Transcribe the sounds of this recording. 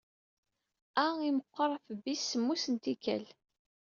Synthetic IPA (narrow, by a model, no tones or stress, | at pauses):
æiməqːəɾˤfəbisːəmːusənt̪ikæ̰l